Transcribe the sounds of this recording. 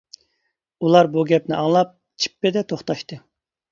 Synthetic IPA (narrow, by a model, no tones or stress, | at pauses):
ulˠɑɾbuɡʲɛpnɪʔɑŋlˠɑp̚ | t͡ʃʰi̥pːɪd̪ɛt̪ʰoχt̪ɑʃt̪ɨ